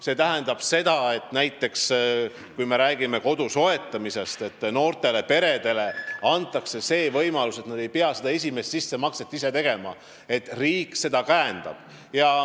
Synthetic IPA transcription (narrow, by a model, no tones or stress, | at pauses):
se̞ːt̪æɦe̞nd̪ɑb̥se̞d̪̥ɑe̞t̪ˑnæjt̪ːˑe̞ks | kujme̞ɾæːɡime̞ko̞d̪uso̞e̞t̪ːˑɑmise̞st̪e̞t̪ːˑno̞ːrt̪e̞le̞pe̞ɾe̞d̪e̞le̞ɑnt̪ˑːɑkse̞se̞ːvɤjmɑluse̞t̪nɑd̪̥e̞jpe̞ɑsed̪ɑe̞s̬ʲime̞st̪sisːe̞mɑkset̪ːˑise̞t̪e̞ɡe̞mɑ̰ | e̞t̪ˑriːkːˑse̞d̪ɑkæend̪̥ɑ̰b̥ | jɑ